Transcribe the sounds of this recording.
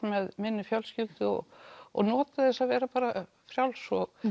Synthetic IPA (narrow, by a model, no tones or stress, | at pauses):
mɛðmɪnːɪfjawlscʏlt̪ɪɔ̰ɣɔ̰ɣnɔːt̪aθɛsːaðvɛːɾapaːɾa | fɾjawlsɔɣ